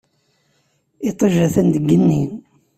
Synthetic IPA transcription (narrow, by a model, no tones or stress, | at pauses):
it̪ˤəʒæθænd̪əɡːənːin